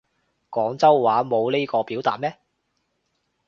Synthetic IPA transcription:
kɔː˨˥ŋt͡sɐ˥wwaː˨˥mo˨˧wleː˥kɔː˧piː˨˥wt̪aː˨t̚mɛː˥

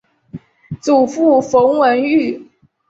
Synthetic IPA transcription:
t͡su˨˩fu˥˩fo˧˥ŋwə˧˥ny˥˩

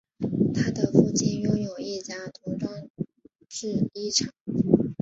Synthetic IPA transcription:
t̪ʰa˥d̪ə˨fu˥˧t͡ɕi˥˩njʊ˥ŋjo˨˩ʊi˥˩t͡ɕja˥t̪ʰu˧˥ʈ͡ʂɑ˥˧ | ʈ͡ʂɻ̩˥˩i˥˩ʈ͡ʂʰɑ˨˩˦ŋ

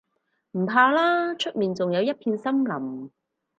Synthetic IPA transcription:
m̩˨˩pʰaː˧laː˥t͡ʃʰɵ˥t̚miː˨nt͡sʊ˨ŋjɐ˨˧wjɐ˥t̚pʰiː˧nsɐ˥mlɐ˨˩m

